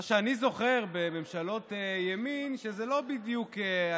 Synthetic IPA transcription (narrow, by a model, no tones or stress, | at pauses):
ʃeanizo̞χeʁbeme̞mʃalo̞tejeminʃezelo̞bid̪jukea